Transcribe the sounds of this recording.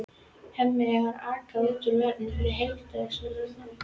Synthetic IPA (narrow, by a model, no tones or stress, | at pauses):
hɛmːɪaɣaɾaːkaðot̪ʏɾvɛɾt̪nɪɪðɦejt̪aðɪxsɔ